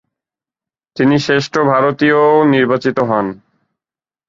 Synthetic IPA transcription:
t̪iniʃeʃʈʰobʱaɾot̪ioniɾbat͡ɕit̪oɦɔn

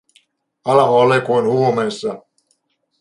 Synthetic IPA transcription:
ɑlɑmoɑlekuinhuomeːsːɑ

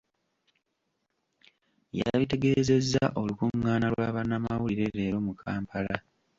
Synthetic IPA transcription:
ja̰βite̞ɡe̞ːze̞zːaʔo̞lukuŋːaːnalwaːβanːamawuliɾe̞ɾe̞ːɾo̞mukʰaːmpʰala

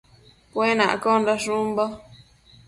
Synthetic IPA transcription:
pwenã̰ʔkonɾaʂumba

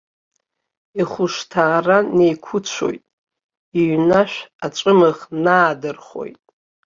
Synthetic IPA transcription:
iχʷʊʂtʰaːrane̞jkʷʰʊt͡ɕt͡ʃʷʰo̞̰jtʼ | iɥnaʃᶣat͡ʃʷʼɨmɨʁnaːdɨrχo̞̰jtʼ

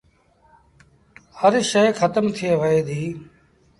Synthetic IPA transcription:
həɾʃeːxʰət̪əmt̪ʰɪeːʋəeːd̪ʱiː

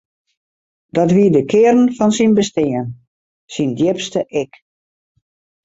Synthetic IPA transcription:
dɔtʋiədəkʰɪəɾən̩fɔnsinbəstɪən | sindjɪpstəʔɪk

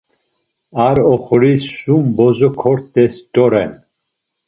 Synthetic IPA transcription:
aɾɔχɔɾisːumbɔzɔkʰɔɾt̪ɛst̪ʼɔɾɛn

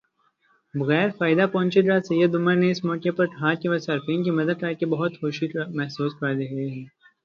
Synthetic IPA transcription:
bɐɣɛːɾfaːjɪd̪apɔ̃ːnt͡ʃid̪ɾaːsɐjəd̪ʊmə̃neɪsmɔːkepɐɾʈʰãːkiʋɐsɐɾfĩːnkimɐd̪əd̪̚kɐɾkebɐɦʊt̪xoːʃimɛɦsuːspad̪eɦɐeɦɛː

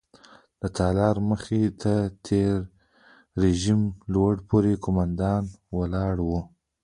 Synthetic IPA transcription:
d̪̥ət̪ʰɑlɑɾməxet̪ʰat̪ʰeɾː | eʒimlwaɽpʰoɾekomand̪ɑnwalɑɽwu

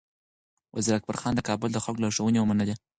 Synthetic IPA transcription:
wʔa̰ziɾak̚ba̰ɾxɑnd̪əkɑbʊld̪əxaklaʂawənewəmanad̪e

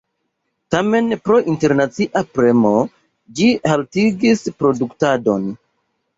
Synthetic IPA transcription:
tame̞npɾo̞ʔinte̞ɾnat͡siʔapɾe̞mo̞ | d͡ʒihaltiɡispɾo̞duktado̞n

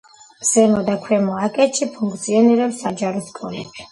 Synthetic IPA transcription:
z̥ɛmɔd̪akʰwɛmɔakʼɛt̪ʃʰipʰuŋkʰt̪sʰiɔniɾɛpsːad͡ʒaɾɔskʼɔlɛbi̥

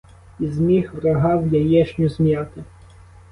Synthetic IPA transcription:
izmʲixʋɾɐɦɑwjɐjɛʃnʲʊzmʲjɑt̪ɪ

